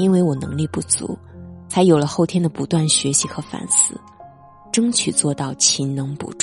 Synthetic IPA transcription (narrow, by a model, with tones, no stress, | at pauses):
i˥nwe˥˩ɪwɔ˨˩nɤ̰˧˥ŋli˥˧pu˥˩t͡sṵ˧˥ | t͡sʰa˧˥ɪjo˨˩ʊlə˦xo˥˩ʊt̪ʰjɛ˥nd̪ə˨pu˧˥t̪wa˥˩nɕɥɛ˧˥ɕi˧˥xɤ˧˥fa̰˨˩nsɹ̩˥˩ | ʈ͡ʂɤ˥ŋt͡ɕʰy˨˩t͡swɔ˥˧t̪ɑ˥˩ʊt͡ɕʰi˧˥nnɤ˧˥ŋpṵ˧˩ʈ͡ʂ